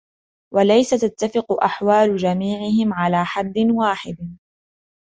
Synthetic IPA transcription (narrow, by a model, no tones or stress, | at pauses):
walajsat̪at̪ːafɪqʊʔaħwaːlʊd͡ʒamiːʕɪhɪmʕalaːħad̪ːɪnwaːħɪd̪